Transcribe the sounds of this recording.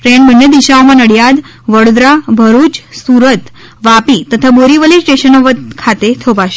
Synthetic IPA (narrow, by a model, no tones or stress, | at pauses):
pɾeɳbənːjəd̪iʃaomãnəɽjad̪ | ʋəɽod̪ɾabʱəɾut͡ɕsuɾət̪ | ʋapit̪ət̪ʰaboɾiʋəlisʈeʃənɔʋət̪kʰat̪et̪ʰobaʃe